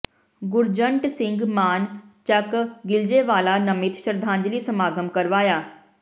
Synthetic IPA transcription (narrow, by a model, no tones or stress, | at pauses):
ɡʊɾd͡ʒəɳʈsɪŋɡmaːnt͡ʃəkɡɪld͡ʒeːʋaːlaːnəmɪt̪ʃəɾd̪ʱãːɲd͡ʒliːsəmaːɡəmkəɾʋaːjaː